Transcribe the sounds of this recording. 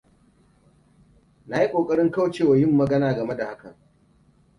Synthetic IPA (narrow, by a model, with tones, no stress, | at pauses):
na˦ji˦kʷʼoː˨kʼɐ˦ɽɪ˦ŋka˦wt͡ʃeː˦˨wa˨jɪ˦mːɐ˨ɡɐ˦naː˨ɡɐ˨me˦da˨ha˦kɐ̰˨ŋ